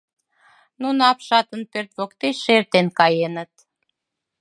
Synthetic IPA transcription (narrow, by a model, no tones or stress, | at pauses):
nunɑpʃɑt̪ə̆npørt̪βokt̪eʃert̪enkɑjenə̆t̪